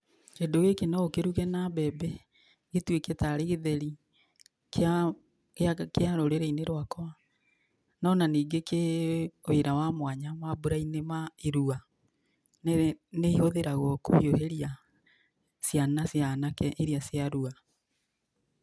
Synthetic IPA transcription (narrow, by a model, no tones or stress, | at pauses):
kendoɣekenɔokeɾuɣɛnaβɛbɛ | ɣetweketaɾeɣeðɛɾi | k | akeaɾoɾeɾeineɾwakɔa | nɔnaniːɡekeoeɾawamwaɲamabuɾainemaeɾua | neihoðeɾaɣɔko̰hioheɾia | sjanasjanakɛʔeɾiasjaɾua